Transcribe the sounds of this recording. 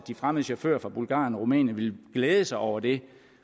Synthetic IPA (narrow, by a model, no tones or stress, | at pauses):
d̥ifʁaməð̩ˠɕefø̰ɐfʁɑ̈b̥ulɡ̥ɑ̰̈ːjnɒʁumɛ̰ːnjən̩ʋe̝lɡ̥leːð̞ˠəsɑ̈ɪʔɒʊ̰ɐd̥e̝